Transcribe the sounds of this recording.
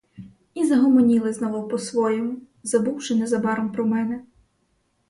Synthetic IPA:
izɐɦɔmɔnʲilˠɪznɔʋɐwpɔsʋɔjɛmʊ | zɐbuwʃɪnɛzɐbɑɾɔmpɾɔmɛnɛ

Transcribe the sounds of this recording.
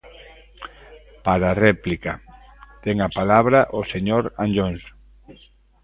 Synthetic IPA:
paɾarɛplika | t̪ɛŋapalaβɾaʔoseɲoɾanʎons

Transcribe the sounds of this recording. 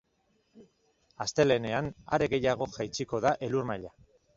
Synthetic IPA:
ast̪e̞le̞ne̞ana̰ɾe̞ɣe̞jaɣ̞o̞ʝajt͡siko̞ð̞aʔe̞luɾmaʎa

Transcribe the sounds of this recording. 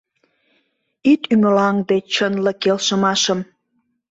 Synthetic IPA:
it̪yməlɑŋd̪et͡ɕənlə̆kelʃə̆mɑʃəm

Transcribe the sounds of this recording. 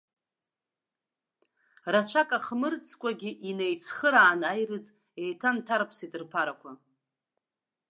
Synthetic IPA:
rat͡ɕʷʰakʼaχmɨrt͡sʰkʷʼaɡʲiʔinejt͡sʰχəɾaːnajrɨt͡sʼ | e̞jtʰantʰaɾpʰsitʼɨrpʰaɾakʷʰa

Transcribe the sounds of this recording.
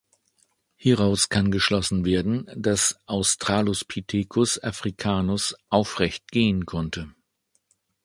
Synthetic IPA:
hiʁaʊskʰanɡəʃlɔsn̩veːɐdn̩d̥asʔaʊstʁ̥aːlʊspʰitʰeːkʰʊsa̰fʁ̥ikʰaːnʊsʔaʊfʁɛçt̚ɡ̥eːənkʰɔntʰə

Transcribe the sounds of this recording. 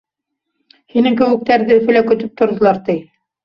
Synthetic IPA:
hinɘŋkɘ̆wɘ̆k̚t̪æɾðɘɵ̆fɘ̆lækɵ̆t̪ɵp̚t̪ŏɾd̪ɤ̆lˠɑɾt̪ɘj

